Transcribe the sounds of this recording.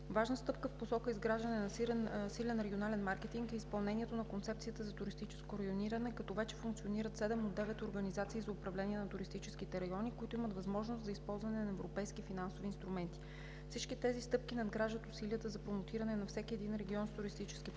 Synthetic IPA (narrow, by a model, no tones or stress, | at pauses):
vaʒnəst̪ɤpkəfposɔkəizɡɾaʒɐnɛnɐsilɛnɾɛɡʲionalɛnmaɾkɛt̪iŋkɛispɐlˠnɛniɛt̪onɐkont̪sɛp̚tsijət̪əzɐt̪ʊɾist̪it͡ʃɛ̥skoɾɐjoniɾənɛkɐt̪ɔvɛt͡ʃɛ̥fʊuŋkt̪sioniɾət̪sɛd̪ɛmod̪ːɛvɛt̪oɾɡɐnizat̪siːzɐʊpɾɐvlɛnʲiɛnɐt̪ʊɾist̪it͡ʃɛskit̪ɛɾɐjɔnikoit̪ʊimət̪vɐzmɔʒnost̪zɐispɔlˠzvɐnɛnɐɛvɾopɛjskifinansoviːnst̪ɾʊmɛnt̪i̥ | fsit͡ʃkit̪ɛzist̪ɤp̚kinɐd̪ɡɾaʒət̪ʊsiliət̪əzɐpɾomot̪iɾɐnɛnɐfsɛkʲiɛd̪inɾɛɡʲiɔnst̪ʊɾist̪it͡ʃɛ̥sk̟i